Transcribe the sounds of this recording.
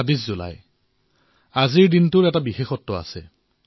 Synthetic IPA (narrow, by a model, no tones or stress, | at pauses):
abiszʊla̰j | aziɹdintʊɹɛtabixexɔtːɔa̰sɛ